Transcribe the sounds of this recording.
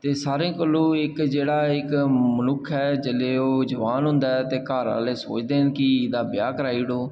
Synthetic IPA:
t̪eːsaːɾẽːkəlõːɪkd͡ʒeːɽaːɪkmənʊkʰɛːd͡ʒəleːoːd͡ʒəʋaːnɦʊ̃ːnd̪aːɛt̪eːkaːɾã̰ːleːso̰ːt͡ʃd̪eːnkɪd̪aːbɪjaːkəɾaːiːɽoː

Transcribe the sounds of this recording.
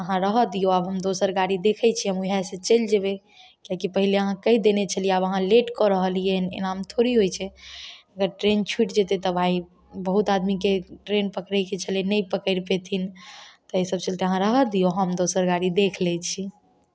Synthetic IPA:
əɦãɾəɦəd̪ijoabɦəmd̪osəɾɡaɽid̪ekʰɛt͡ʃʰiɦəmuɦaset͡ʃəld͡ʒeβe | kakipəɦileəɦãkəid̪enet͡ʃʰəlieabəɦãleʈkɔɾəɦəlijenḛnamt̪ʰoɾiɦojt͡ʃʰɛəɡəɾʈɾent͡ʃʰuiʈd͡ʒet̪et̪əbʱai | bəɦut̪ad̪mikeʈɾenpəkɾɛket͡ʃʰəlenəjpəkəɾpet̪ʰint̪ɔesəbt͡ʃəlt̪eəɦãɾəɦəd̪ijoɦəmd̪osəɾɡaɽid̪ekʰlɛt͡ʃʰi

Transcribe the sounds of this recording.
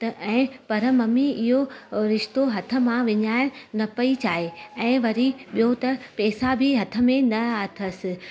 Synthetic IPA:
t̪ɐʔɛ̃ːpɐɾəmɐmiɪɦoɾɪʃt̪oɦɐt̪ʰə̆mãʋɪɲaːɪɽ̃nɐpɐit͡ɕaːɦeɛ̃ːʋɐɾiɓijot̪ɐpɛːsabʱɪɦɐt̪ʰə̆mẽnɐɐt̪ʰɐsɪ̆

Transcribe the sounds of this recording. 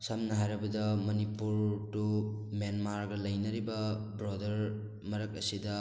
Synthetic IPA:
samnɐɦajɾɐbɐdɐmɐnipuɾtumenmaɾɡɐlɐjnɐɾibɐbɾodɐɾ | mɐɾɐk̚ɐsidɐ

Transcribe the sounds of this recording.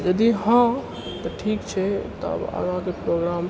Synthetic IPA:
d͡ʒəd̪iɦã | t̪ɔʈʰiːkt͡ʃʰɛt̪ɔ̰bə̰ɦãkepɾoɡɾaːm

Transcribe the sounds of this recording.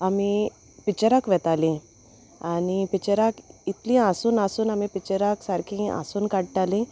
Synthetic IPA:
ami | pit͡ɕəɾakʋɛt̪alĩ | anipit͡ɕəɾakit̪lĩãsuːnasuːnamipit͡ɕəɾaksaɾkʰĩa̰suːnkaɽʈalĩ

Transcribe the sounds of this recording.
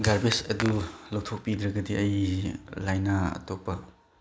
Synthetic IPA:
ɡaɾbesɐdulɐwtʰok̚pidɾɐɡɐdiɐjlajnaɐ̰topːɐ

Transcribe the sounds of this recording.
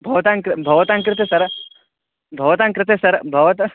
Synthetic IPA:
bʱɐʋɐt̪ãŋkɾɪbʱɐʋɐt̪ãːŋkɾɪt̪esɐɾ | bʱɐʋɐt̪aːŋkɾɪt̪esɐɾbʱɐʋɐt̪

